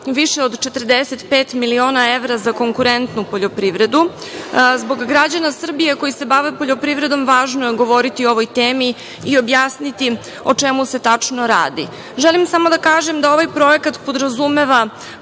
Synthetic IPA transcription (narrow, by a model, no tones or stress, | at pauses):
ʋiʃeo̞d̪t͡ʃe̞t̪r̩d̪eset̪peːt̪milio̞ːnae̞ʋɾazako̞ŋkuɾe̞nt̪nupo̞ʎo̞pɾiʋɾe̞d̪u | zbo̞ɡɡɾad͡ʑanasr̩bijeko̞jise̞baʋepo̞ʎo̞pɾivɾe̞d̪o̞mʋaːʒnojeɡo̞ʋo̞ɾit̪ioo̞ʋo̞jt̪eːmiː | o̞bjaːsnit̪i | o̞t͡ʃemuse̞t̪at͡ʂno̞ɾa̰ːd̪i | ʒelimsamo̞d̪akaːʒemd̪ao̞ʋajpɾo̞ekat̪po̞d̪ɾazume̞ʋa